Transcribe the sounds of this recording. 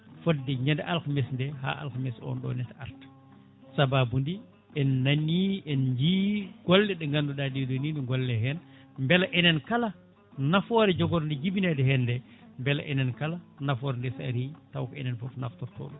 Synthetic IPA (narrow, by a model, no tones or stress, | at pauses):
fɔddɛɲɛndɛʔalkamɛsndɛha̰ʔa̰lkamɛsɔ̰nɗɔ̰nɛtaɾt | sababundi | ɛnːaniɛnɲd͡ʒiːɡ̥ɔlːɛɗɛŋɡanduɗadijɔdɔnindɔŋɡɔlːɛɦɛn | mbɛlaʔɛnɛnkala | nafɔɾɛd͡ʒɔɡɔɾndid͡ʒibinɛdɛhɛndɛ | mbɛla̰ʔɛnɛnkalanafɔːɾndɛsa̰ɾitawkɔɛ̰nɛnfɔfnaftɔɾtɔ̰ːlɔ